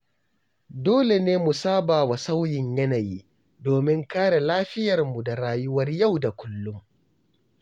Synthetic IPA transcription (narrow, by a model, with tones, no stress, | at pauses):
doː˦le˨neː˦mu˨saː˦baː˨wa˨sa˦wjɪ˨ɲjɐ˦naː˨jiː˦ | doː˨mɪ˦ŋkaː˦ɽa˨laː˦ɸɪ˦jɐ˨rmu˨da˨ɾaː˦jʊ˦wɐ˦rja˦˨wda˨kʷʊ˦lːʊ˦ŋ